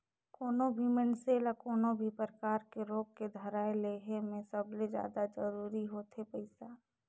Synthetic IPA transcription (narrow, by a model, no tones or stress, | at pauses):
koːnobʱimɪnseːlakoːnobʱipɾəkaːɾkeɾoːɡ̚ked̪ʱəɾaːeleːɦemẽsəbled͡ʒja̰ːd̪ad͡ʒəɾuːɾiɦoːt̪ɦepɐɪsaː